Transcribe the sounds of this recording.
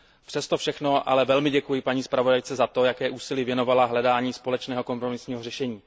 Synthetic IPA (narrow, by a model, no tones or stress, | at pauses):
fr̥ɛst̪ofʃɛxno̞ʔa̰lɛvɛlmɪɟɛkujɪpaɲiːspɾavo̞dajt͡sɛzat̪o̞jakɛːʔuːsɪliːvjɛno̞valaɦlɛdaːɲiːspo̞lɛt͡ʃnɛːɦo̞ko̞mpɾomɪsɲiːɦorɛʃɛɲiː